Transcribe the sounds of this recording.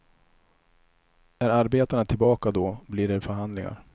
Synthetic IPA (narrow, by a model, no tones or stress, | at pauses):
æɾaɾbeːt̪aɳat̪ʰɪlbɑːkad̪ɔbliːɖɛfœɾɦand̪lɪŋa̰ɾ